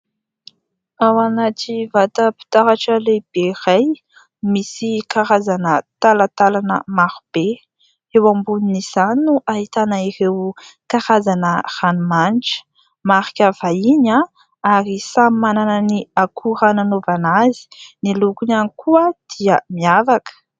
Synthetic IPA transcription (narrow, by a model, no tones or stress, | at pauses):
awanaʈ͡ʂivat̪əpi̥t̪aɾaʈ͡ʂəleb̥eraj | misikaɾazanət̪alat̪alanə̰maɾub̥e | ewambuniniz̥aninuʔahit̪anəirewkaɾazanər̥anumanʈ͡ʂə̥ | maɾikʲav̥aiɲa | aɾisamimanananiakʰuɾananovanazi̥nilukunanikʰuəd̪̥iəmiavakə̥